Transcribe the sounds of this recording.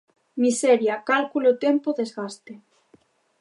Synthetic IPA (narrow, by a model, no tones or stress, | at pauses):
miseɾjakalkulot̪empoðezɣast̪e